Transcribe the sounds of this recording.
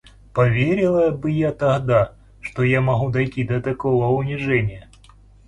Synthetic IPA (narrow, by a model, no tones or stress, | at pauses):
pɐvʲeɾʲɪlˠəbɨjat̪ɐɣd̪a | ʂt̪ojamɐɣud̪ɐjtʲid̪ɐt̪ɐkovəʊnʲɪʐɛnʲɪjə